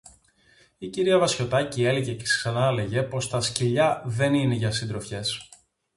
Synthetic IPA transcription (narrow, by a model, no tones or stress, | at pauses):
iciɾiɐvɐsço̞t̪ɐcie̞leʝecesksɐnɐle̞ʝe̞po̞st̪ɐsciʎɐðe̞nine̞ʝɐsind̪ɾo̞fçe̞s